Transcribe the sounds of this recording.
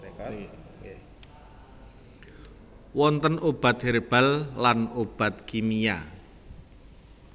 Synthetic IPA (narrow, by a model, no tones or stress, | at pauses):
wɔnt̪ənob̥a̤t̪̚ɦeɾb̥a̤lːanob̥a̤t̪̚kimija̰